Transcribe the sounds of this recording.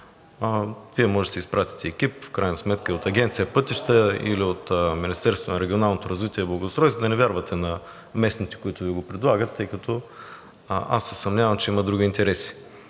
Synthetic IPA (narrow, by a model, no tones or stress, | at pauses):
viɛmɔʒɛt̪ɛispɾat̪i̥t̪ɛːkʲip̚fkɾajnəɐsmɛt̪kəiot̪ɐɡʲɛnt̪sijəpɤt̪iʃt̪əḭliot̪ːminist̪ɛɾst̪onɐɾɛɡʲionalˠnot̪oɾɐzvit̪iɛblˠɐɡost̪ɾɔjsvod̪ɐnɛvʲjaɾvɐt̪ʰɛnɐ | mɛsnit̪ɛ̥kʊit̪ʊviɛɡopɾɛd̪lˠaɡət̪ːɤjkɐt̪ʰɔ | a̰sːɛsɐmnʲavɐmt͡ʃɛimɐd̪ɾuɡʲiːnt̪ɛɾɛsi̥